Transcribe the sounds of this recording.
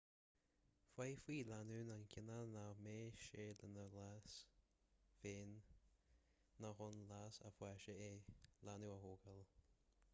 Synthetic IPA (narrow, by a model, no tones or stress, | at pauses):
fwajfwiːlanuːnankʰɪnanameːʃeːlənəlas | veːn | axʊnlasa̰fwɛʃəelanuaɦoːɡəl